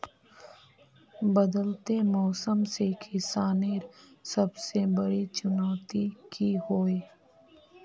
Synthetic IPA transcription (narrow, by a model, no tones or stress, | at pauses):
bɐd̪əlt̪emɔːsəmsekʰɪsaːneːɾsɐbsebɐɽit͡ʃʊnaːt̪ikʰihoːeː